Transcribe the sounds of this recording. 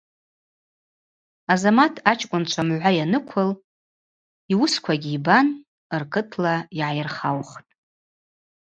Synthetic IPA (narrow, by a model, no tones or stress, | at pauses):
azamatʰat͡ʃʼkʷʼʊnt͡ʃʷʰamʕʷajanɨkʷʰʊl | iwʊskʷʰaɡʲiːban | ɨrkʰɨtʰlaiʕajrχawχtʼ